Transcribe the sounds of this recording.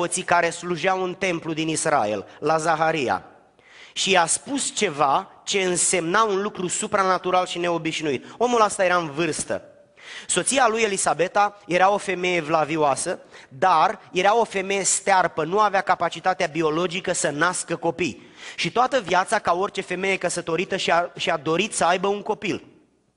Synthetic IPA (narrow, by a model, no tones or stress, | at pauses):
ot̪sikaɾe̞sluʒaunt̪e̞mplud̪inisra̰e̞̰lːazaɦaɾija̰ | ʃiaspust͡ʃe̞vat͡ʃe̞ɨnse̞mnaunlukɾusupɾanat̪uɾalʃine̞o̞biʃnuit̪o̞mulast̪aje̞ɾaɨnvɨrst̪ə̰ | so̞t̪sialuje̞lisabe̞t̪aje̞ɾao̞fe̞me̞je̞vlavioasəd̪arje̞ɾao̞fe̞me̞je̞st̪earpənuaveakapat͡ʃit̪at̪eabio̞lo̞d͡ʒikəsənaskəko̞pijʃit̪oat̪əvjat̪sakao̞rt͡ʃe̞fe̞me̞je̞kəsət̪o̞ɾit̪əʃiaʃiad̪o̞ɾit̪səajbəuŋko̞pil